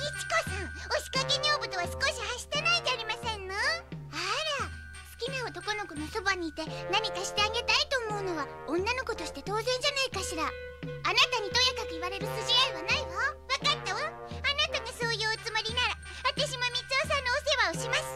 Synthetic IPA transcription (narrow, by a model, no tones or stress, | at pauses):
it͡si̥kosãŋ̃oɕi̥kakeɲʲo̞ːbɯt̪o̞βasɨ̥ko̞ɕihaɕi̥t̪enaid̪eaɾʲimasẽ̞nːoaɾa | sɨ̥kʲimeot̪o̞ko̞no̞kono̞so̞baɲ̟iːt̪e̞naɲ̟ikaɕi̥t̪e̞aɡe̞t̪ait̪o̞ːmo̞ɯ̟no̞βa | õ̞nːano̞ko̞t̪o̞ɕi̥t̪et̪o̞ːzẽ̞ɲ̟d͡ʑanaikaɕiɾa | anat̪aɲ̟it̪o̞jakakɯ̟iβaɾe̞ɾɯ̟sɨʑiaiβanaimaβakat̪ːaβa | anat̪aɡaso̞ːjɯːt͡sɨmoɾʲinaɾa | βat̪aɕ̬imomʲit͡sosãnːoːseβaoɕimasɨ̥